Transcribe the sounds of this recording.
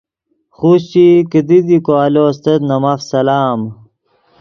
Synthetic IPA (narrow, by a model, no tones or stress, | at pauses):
xuɕt͡ɕikid̪id̪ikoalost̪et̪nɐmafsɐlaːm